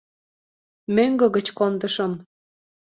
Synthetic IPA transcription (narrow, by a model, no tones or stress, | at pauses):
møŋɡɤ̆ɣə̆t͡ɕkond̪əʃəm